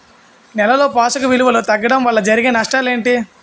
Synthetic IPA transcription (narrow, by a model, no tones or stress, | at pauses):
nɛlɐlo̞ːpaːsɐkuʋiluʋɐlut̪ɐɡːɐɽɐmʋɐɭːɐd͡ʒɐɾiɡenɐʂʈaːle̞ːɳʈi